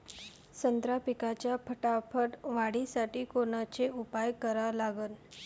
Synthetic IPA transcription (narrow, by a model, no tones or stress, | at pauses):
sənd̪ɾapikat͡ɕjapʰəʈapʰəʈʋaɽisaʈiːkoɳ̃at͡ɕeupajkəɾalaɡən